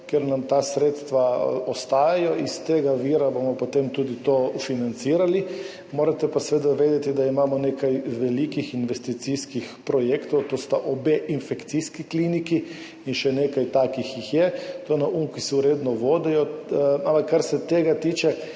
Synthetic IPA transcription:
keɾnamt̪aːsɾeːt̪st̪ʋaɔst̪aːjajɔist̪eːɡaʋiːɾabomɔpot̪emt̪uːd̪it̪ofinant̪siːɾali | moːɾat̪ɛpasʋeːd̪aʋeːd̪ɛt̪id̪aimaːmɔneːkajʋɛlikixinʋɛst̪it̪siskixpɾɔjeːkt̪ɔwt̪oːst̪aʔobeʔinfɛkt̪siskikliːniki | inʃɛneːkajt̪aːkixjixjɛt̪onaʔuŋkisuɾeːd̪nɔʋoːd̪ɛjɔampakːaɾsɛt̪eːɡat̪iːt͡ʃɛ

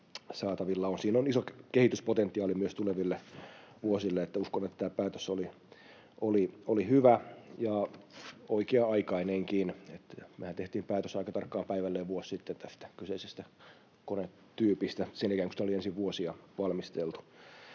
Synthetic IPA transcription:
sɑːt̪ɑʋilːɑonsiːnonisokkehit̪yspot̪ent̪ːˑiɑːlimyøst̪uleʋilːeʋuosilːeet̪ːæuskonet̪ːæt̪æːpæːt̪øsoli | ʔoliolihyʋæjɑ | oikeɑɑikɑineŋkinet̪mehænt̪eht̪iːmpæːt̪øsɑikɑt̪ɑrkːɑːmpæiʋælːeːʋʋuosːit̪ːent̪æst̪æ̥kyseisest̪æ | kone | t̪yːpist̪æsenikæːŋkysit̪æoliensiʋʋuosiɑʋɑlmist̪elt̪u̥

